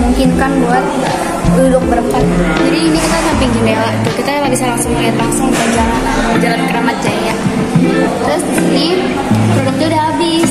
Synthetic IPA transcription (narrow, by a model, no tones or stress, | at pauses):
muŋkɪnkanbuat̪̚ | dudʊk̚bəɾəmpat̪̚it̪ud͡ʒadiːnikit̪asampɪŋd͡ʒubalat̪ukit̪alabisaɾaŋsəmaɡɛt̪laŋsʊŋpad͡ʒalanad͡ʒalankəɾamat̪̚d͡ʒaja | t̪ɾʊsini | pɾodʊk̚d̪udaabɪs